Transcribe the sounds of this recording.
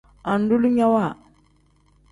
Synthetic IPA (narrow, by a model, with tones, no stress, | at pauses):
a˨n˦du˦lu˦ɲa˦wa˦˨